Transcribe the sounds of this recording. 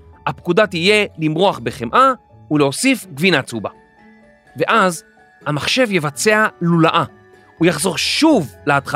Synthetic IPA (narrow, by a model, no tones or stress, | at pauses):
hapkudatije̞limʁo̞aχbe̞χemʔa | uleo̞sifɡvinat͡suba | ve̞ʔaz | hamaχʃe̞vjevat͡se̞alulaʔa | ujaχzo̞ʁʃuvleatχa